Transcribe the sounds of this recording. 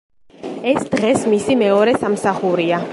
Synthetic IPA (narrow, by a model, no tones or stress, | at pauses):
ɛsd̪̥ʁɛsmisimɛɔɾɛsamsaχuɾia